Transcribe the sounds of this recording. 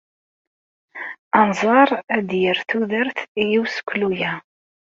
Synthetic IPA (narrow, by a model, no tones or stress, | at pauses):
ɑnzˤɑɾˤæd̪jəɾθuðəɾθijiwsə̥kʷːlujæ